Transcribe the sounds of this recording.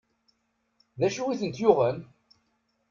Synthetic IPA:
ðæʃuwiθənt̪jʊʁən

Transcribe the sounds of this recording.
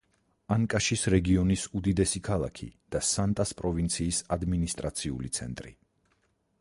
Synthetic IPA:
aŋkʼaʃisɾɛɡiɔnisud̪id̪ɛsikʰalˠa̰kʰḭd̪̥asant̪ʼaspʼɾɔvint̪sʰiːsad̪minist̪ʼɾat̪sʰiṵlit̪sʰɛ̰nt̪ʼɾḭ

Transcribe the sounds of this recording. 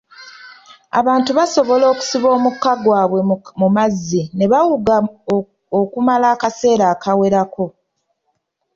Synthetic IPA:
a̰βaːntuβaso̞βo̞lo̞ːku̥siβo̞ːmukːaɡwaːβwe̞mumazːine̞βawuɡa | okumalaːkase̞ːɾaːkʰawe̞ɾakʰo̞

